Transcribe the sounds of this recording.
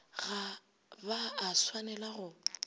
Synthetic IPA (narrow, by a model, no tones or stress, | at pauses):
ɣa | baːswanɛlaɣʊ